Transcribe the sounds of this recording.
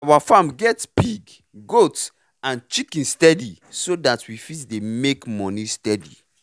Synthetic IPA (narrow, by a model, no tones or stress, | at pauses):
awafamɡɛtbiɡ | ɡots | ãnt͡ʃikĩnstɛdisodatʰwifitdemekmɔnistɛdḭ